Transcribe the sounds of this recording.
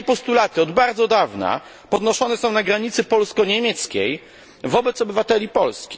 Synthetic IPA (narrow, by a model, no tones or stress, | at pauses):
ɛpɔst̪ulat̪ɘɔd̪baɾd̪zɔd̪avna̰ | pɔd̪nɔʂɔnɛsɔ̃w̃naɡɾaɲit̪sɘpɔlskɔɲemʲjɛt̪skʲej | vɔbɛt̪sɔbɘvat̪ɛlʲipɔlskʲi̥